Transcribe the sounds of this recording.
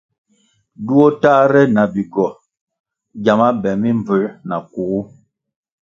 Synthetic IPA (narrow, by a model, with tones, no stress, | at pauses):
du˦o˦taː˦ɾɛ˦na˨bi˨ɡɔ˨ | d͡ʒa˨ma˦bɛ˨mi˦mb͡və˨na˨ku˨ɣu˦